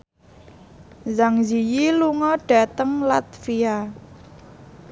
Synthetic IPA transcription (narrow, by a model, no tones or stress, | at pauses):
zaŋzijiluŋɔɖ̥a̤t̪əŋlat̪̚fia